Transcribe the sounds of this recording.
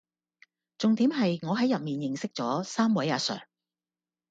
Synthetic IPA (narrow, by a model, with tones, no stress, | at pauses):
t͡sʊ˨ŋt̪iː˨˥mɦɐ˨jŋɔː˨˧ɦɐ˨˥jɐ˨p̚miː˨njɪ˨ŋsɪ˥k̚t͡sɔː˨˥saː˥mwɐ˨˥jaː˨˧sœ̰ː˨˩ŋ